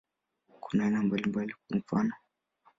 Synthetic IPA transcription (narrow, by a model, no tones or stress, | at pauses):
kunaɛnambalimbalikaɱ̩fa̰nɔ